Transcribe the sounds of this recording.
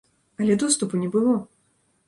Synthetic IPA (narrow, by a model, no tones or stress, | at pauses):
ɐlʲɛd̪ɔst̪upunʲɛbɨlˠɔ